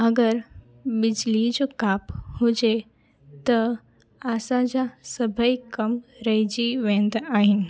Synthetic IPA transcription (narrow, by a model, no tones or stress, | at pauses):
ɐɡəɾ | ɓɪd͡ʑlid͡ʑokaːphʊd͡ʑe | t̪ɐ | aːsãd͡ʑasɐbʱəikɐmɾɐɦid͡ʑiʋẽːnd̪aːɦɪnɪ̆